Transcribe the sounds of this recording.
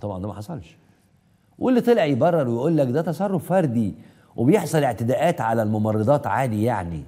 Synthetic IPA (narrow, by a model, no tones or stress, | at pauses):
t̪ɑbʕɑnd̪æmæħɑsˤɑlʃ | ʔulːit̪ˤelʔɑjbɑrˤːɑɾˤwejʔuːlːækd̪æt̪ɑsˤɑrˤːofːɑɾˤd̪i | wʔebejeħsˤɑleʕt̪ed̪æːʔæːt̪ʕalælmomɑrˤːed̪ˤɑːt̪ʕaːd̪ijaʕni